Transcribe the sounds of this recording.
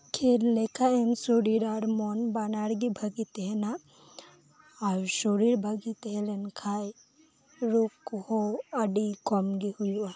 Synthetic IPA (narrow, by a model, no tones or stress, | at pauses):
kʰeɾlekʰaemsoɾiɾaɾmɔnbanaɽɡibʱɐɡit̪ɦɛna | awsoɾiɾbʱɐɡit̪ɦɛlɛnkʰaj | ɾukhoɐɖikɔmɡihujua